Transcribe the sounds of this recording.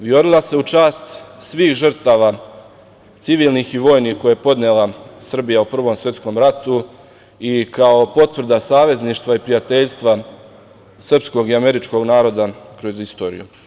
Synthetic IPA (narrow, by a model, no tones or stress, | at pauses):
ʋjo̞ɾilˠase̞ut͡ʃaːst̪sʋiːxʒr̩t̪aːʋa | t̪siʋiːlˠnixiʋo̞ːjnixko̞jaepo̞d̪nelˠasr̩bijaupr̩ʋo̞msʋje̞t̪sko̞mɾat̪u | ikao̞po̞t̪ʋr̩d̪asaːʋe̞zniːʃt̪ʋaipɾijat̪e̞ʎst̪ʋa | sr̩psko̞ɡiame̞ɾit͡ʃko̞ɡnaːɾo̞d̪akɾo̞zist̪o̞̰ːɾḭjṵ